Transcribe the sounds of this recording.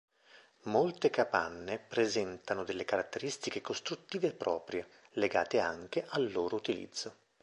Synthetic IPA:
molt̪ekapa̰nːepɾezɛnt̪anod̪elːekaɾat̪ːeɾist̪ikekost̪ɾut̪ːiːveːpːɾɔːpɾje | leɡa̰ːt̪ea̰ŋk̟eʔalːoːɾout̪ilḭd̪zːo

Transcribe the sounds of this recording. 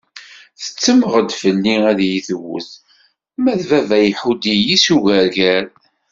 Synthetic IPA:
θə̥t͡sːəməʁəd̪fəlːiæðjiθəwə̰θ | mæðvævæjħud̪ijisuʝæɾʝæɾ

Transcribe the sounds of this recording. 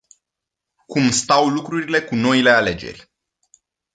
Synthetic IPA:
kumst̪awlukɾuɾile̞kuno̞ile̞ale̞d͡ʒe̞̰rʲ

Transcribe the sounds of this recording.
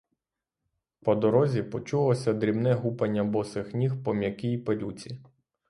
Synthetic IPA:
pɔd̪ɔɾɔzʲipɔt͡ʃulˠɔsʲɐd̪ɾʲibnɛɦupɐnʲːɐbɔsɪxnʲixpɔmʲjɐkijpelʲut͡sʲi

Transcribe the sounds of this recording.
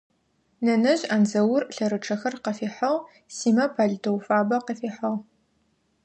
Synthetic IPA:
nɐnɐʑaːnzɐwʊrɬɐɾɨʈ͡ʂʰɐxɐrqɐfiːħɐʁ | siːmɐpʰaːɮtʰowfaːbɐqəfiːħɐʁ

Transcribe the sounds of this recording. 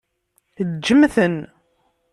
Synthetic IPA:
θd͡ʒːəmθən

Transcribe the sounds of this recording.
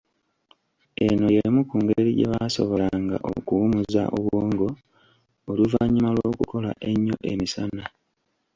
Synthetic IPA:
e̞no̞jemukuːŋɡeɾiɟe̞̰βaso̞βo̞laŋɡa̰ʔo̰kuumuza̰ʔoβwoːŋɡo̞ː | luvaɲːimalwoːkuko̞la̰ʔe̞ɲːo̞̰ʔe̞misana

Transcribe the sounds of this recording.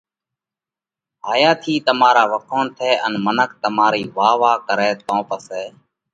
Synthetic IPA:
ɦaːjaːt̪ʰiːt̪əmaːɾaːʋəkʰõːnt̪ʰeːʔənmənək̚ʰt̪əmaːɾiːʋaːʋaːkəɾeːt̪õːpəseː

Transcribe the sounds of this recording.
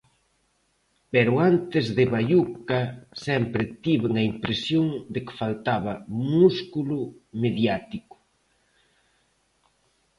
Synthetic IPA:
peɾʊant̪ɪzðɪβajukasɛmpɾɪt̪iβeŋɐimpɾesjoŋd̪ɪkɪ̥falt̪aβɐmuskulʊmeðjat̪ikʊ̥

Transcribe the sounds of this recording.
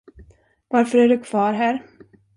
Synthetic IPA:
vaɾfœɾæɖɵkʰv̥ɑːɾɦæːɾ

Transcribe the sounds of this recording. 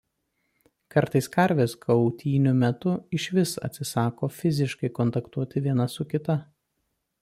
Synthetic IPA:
kɐɾt̪ɐɪskɐɾʲʋʲeːskʰɐʊt̪ʲiːnʲʊmʲɛt̪ʊɪʃʲʋʲɪsɐ̰t̪ʲsʲɪsɑːkoːfʲɪzʲɪʃkɐɪkɔnt̪ɐkt̪uɔt̪ʲɪʋʲiɛnɐsʊkʲɪt̪ɐ

